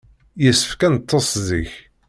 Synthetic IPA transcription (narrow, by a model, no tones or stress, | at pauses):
jəsːə̥fkænət̪ʰˤːosðiç